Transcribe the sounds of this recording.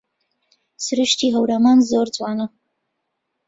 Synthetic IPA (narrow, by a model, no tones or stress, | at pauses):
sɨɾɨʃt̪iːɦəwɾaːmaːnzoɾt͡swaːna